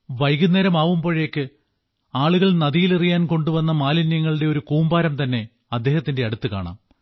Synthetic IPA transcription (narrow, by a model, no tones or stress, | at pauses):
ʋɐjɡunːeːɾɐmaːʋumpoɻeːkːɨ | aːɭuɣɐɭnɐðijilirijaːnko̞ɳɖuʋɐnːɐmaːlinjɐŋːɐɭɨɽe̞o̞ɾukuːmbaːɾɐmt̪ɐnːe̞ | ɐd̪ːe̞ːhɐt̪ːinde̞ɐɽut̪ːɨka̰ːɳa̰ːm